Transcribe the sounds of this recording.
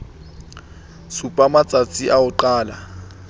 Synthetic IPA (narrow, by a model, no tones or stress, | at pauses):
supʼamat͡sʼat͡sʼiʔaʊǃaːla